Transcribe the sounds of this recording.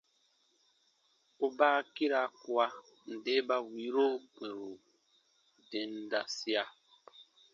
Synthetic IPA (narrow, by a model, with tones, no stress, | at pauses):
ʊ˦ba˦ki˦ɾa˨˦kwa˦ | n̩˨dɪ˦ba˦wi˨˦ɾo˦kʷe˨ɾu˨ | dɪ˨n̩˦da˦si˦a˦